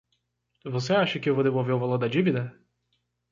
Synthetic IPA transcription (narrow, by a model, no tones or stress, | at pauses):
voseaʃɐkɪewvowd̪evowveɾuvaloɾd̪ɐd͡ʒivid̪ɐ